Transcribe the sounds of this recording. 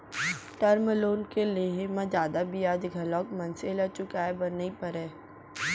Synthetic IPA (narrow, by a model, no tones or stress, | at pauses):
ʈəɾməloːnkeleemẽd͡ʒjaːd̪abijaːd̪ɡʱɐlɔːkmɐ̃nselət͡ʃʊkaːebɐnəipɐɾɛː